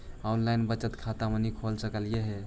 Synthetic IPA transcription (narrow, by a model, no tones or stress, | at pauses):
anlainbət͡ʃət̪kʰat̪amenikʰolsəkəljeɦe